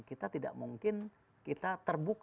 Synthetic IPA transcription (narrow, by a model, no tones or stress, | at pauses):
kit̪at̪ida̰ʔmuŋkɪn | kit̪at̪ərbuk